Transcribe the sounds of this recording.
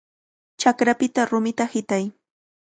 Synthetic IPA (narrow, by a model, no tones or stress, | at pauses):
t͡ʃakɾapɪt̪aɾʊmɪt̪ahɪt̪aj